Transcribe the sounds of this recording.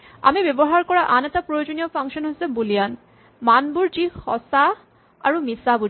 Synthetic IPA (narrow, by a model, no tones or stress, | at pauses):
a̰mibeboɦaɾkɔɾaʔanet̪apɾojod͡ʑoniofʰaŋʃonɦosebolijan | manbuɾd͡ʑihɔ̰sa | aɾumisabu